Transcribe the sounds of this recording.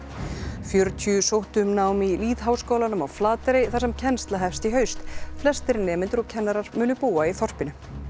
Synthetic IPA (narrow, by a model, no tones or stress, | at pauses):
fjœɾt̪ʰjʏsowht̪ʏmnaːwmiliːðɦawskoːwlanʏmawflaːt̪ɾɪjθḁsɛmcʰɛnst̪laɦɛfst̪iɦœːɥst̪flɛst̪ɪɾnɛːmɪnt̪ʏɾɔɣcʰɛnːaɾaɾ̥mʏːnʏpuːaiθɔr̥pɪnʏ